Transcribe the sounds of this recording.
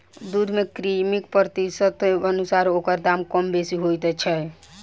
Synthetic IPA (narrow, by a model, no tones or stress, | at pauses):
d̪ud̪mekɾimikpɾət̪isət̪ənusaɾokəɾd̪amkɔmbesiɦojt̪ɛt͡ʃʰɛ